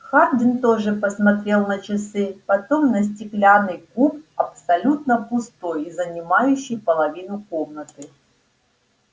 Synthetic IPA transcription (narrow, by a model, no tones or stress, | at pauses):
xard̪ʲɪnt̪oʐɨpəsmɐt̪ɾʲe̞lˠnət͡ɕɪsɨpɐt̪o̞mnəs̬ʲtʲɪklʲanɨjkup̚ɐpsɐlʲut̪nəpʊst̪o̞jizənʲɪmajʉɕːɪjpəlˠɐvʲinʊko̞mnət̪ɨ